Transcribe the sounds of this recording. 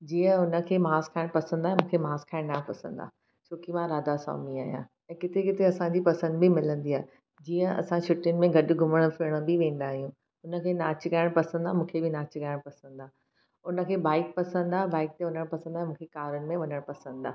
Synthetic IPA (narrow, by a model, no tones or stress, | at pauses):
d͡ʑiːjə̃ʊnə̆kʰeːmaːskʰaːɪɽ̃pɐsə̃nd̪aːɦẽmũːkʰemaːskʰaːɪɽ̃naːpɐsə̃n̆d̪a̰ː | t͡ɕʰoːkimãɾaːd̪asɔ̰ːmiaːɦijã̰ | ɛ̃ːkɪt̪ekɪt̪eɐsãɲd͡ʑipɐsə̃nd̪bɪmɪlə̃nd̪iaːɦe | d͡ʑiːjə̃ɐ̰sãʃʊʈɪnɪ̆mẽɡʱɐɗʊɡʱʊməɽ̃fɪɽ̃ə̆bɪʋẽːnd̪aːɦijũ | ʊnə̆kʰeːnaːt͡ɕkaːɪɽ̃pɐsə̃nd̪aːɦmũːkʰebɪnaːt͡ɕkaɪɽ̃pɐsə̃nd̪aːɦ | ʊnə̆kʰeːbaːɪk̚pɐsə̃nd̪aːɦbaːɪk̚t̪eʊɲəɽ̃pɐsə̃nd̪aːemũːkʰekaːɾʊnɪ̆mẽʋɐɲəɽ̃pɐsə̃nd̪aːɦ